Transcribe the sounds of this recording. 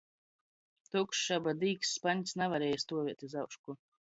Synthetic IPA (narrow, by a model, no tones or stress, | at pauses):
t̪ukʃʃabad̪iːksːpaɲʲsnavaɾɛːjast̪uɔvʲiɛt̪izawkʃku